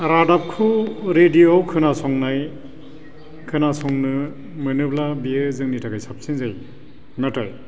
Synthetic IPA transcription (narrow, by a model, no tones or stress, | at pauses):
ɾadap̚kʰuɾedioawkʰɯnasɔŋnaj | kʰɯnasɔŋnɯ | mɯnɯblabiɯzɯŋnitʰakajsap̚sinzaj | nataj